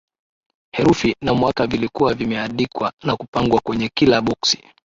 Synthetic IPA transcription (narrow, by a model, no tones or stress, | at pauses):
hɛɾufinamwakavilikuwavimɛaɗikwanakupaŋɡwakwɛɲɛkilaɓɔksi̥